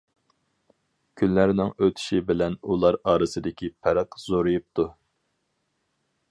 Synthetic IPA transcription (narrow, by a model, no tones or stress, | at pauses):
kʲʰynlæɾnɪŋøt̪ʰy̥ʃibɪlɛnulˠɑɾɑːɾɨsɨd̪ɪkʲipʰɛɾæqz̥oɾujup̚t̪ʰu